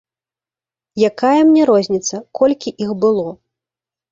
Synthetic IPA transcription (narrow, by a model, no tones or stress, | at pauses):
jakajɐmnʲɛɾɔzʲnʲit̪sɐkʰɔlʲkʲiʔixbɨlˠɔ